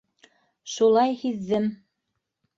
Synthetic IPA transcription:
ʃulˠɑjhiðːɘm

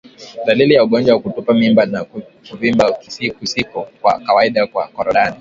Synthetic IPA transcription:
ɗalilijauɠɔnd͡ʒwawakutupamimbanak | kuvimbakisikusikɔkwa̰kawaiɗakwa̰kɔɾɔɗani

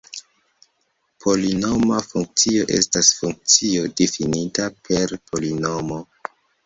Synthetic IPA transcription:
pʰo̞lino̞mafuŋk̚t͡sio̞ʔe̞̰stasfuŋk̚t͡sio̞difinitapʰe̞ɾpʰo̞lino̞mo

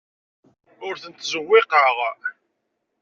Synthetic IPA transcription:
ʊɾθənt̪ːzəwːɪqəʁ

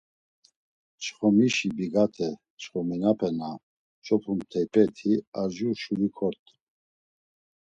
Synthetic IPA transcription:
t͡ʃχɔmiʃibiɡat̪ʰɛ | t͡ʃχɔminapʰɛna | t͡ʃʰɔpʰumt̪ʰɛjpʰɛt̪ʰiaʒuʃulikʰɔɾt̪ʼ

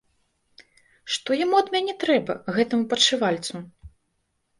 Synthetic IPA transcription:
ʂt̪ɔjamuɐd̪mʲanʲɛt̪ɾɛbɐɣɛt̪ɐmupɐt͡ʂɨvalʲt̪su

